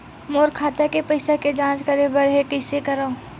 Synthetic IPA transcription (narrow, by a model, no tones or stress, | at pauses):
moːɾkʰaːt̪akepɐɪsaked͡ʒãːt͡ʃkɐɾebɐɾɦekɐɪsekɐɾao